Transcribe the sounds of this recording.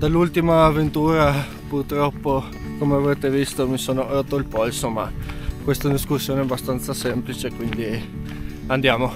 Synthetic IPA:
d̪alːult̪imaːvent̪uːɾa | purt̪ɾɔpːo | komeavɾeːt̪evist̪omisoːnoɾot̪ːoilpɔilsoma̰kwest̪ad̪iskusːjoːneɛbːast̪ant̪sasɛmplit͡ʃekwind̪i | and̪jaːmo

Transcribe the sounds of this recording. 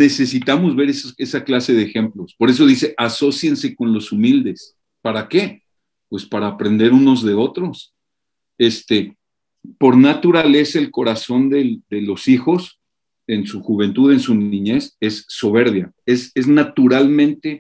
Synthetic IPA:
ne̞se̞sit̪amo̞zβe̞ɾesae̞saklase̞ðe̞ːxe̞mplo̞spo̞ɾe̞s̬o̞ðise̞ʔaso̞sjense̞ko̞nlo̞sumild̪e̞s | paɾake̞ | pwe̞spaɾaːpɾe̞nd̪e̞ɾuno̞zðe̞o̞t̪ɾo̞s | e̞st̪e̞ | po̞ɾnat̪uɾale̞sae̞lko̞ɾaso̞nd̪e̞d̪e̞lo̞sixo̞s | e̞nsuxuβ̞e̞nt̪uðe̞nsunĩɲe̞se̞sːo̞β̞e̞ɾβja | ese̞znat̪uɾalmẽnt̪e̞

